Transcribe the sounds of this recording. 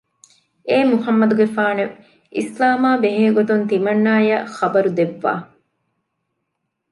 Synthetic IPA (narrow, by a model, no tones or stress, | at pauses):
eːmuhɐmːɐd̪uɡefaːne | ʔḭslaːmaːbeɦeːɡot̪unt̪imɐnːaːjɐxɐbɐɾud̪eʋːa̰ː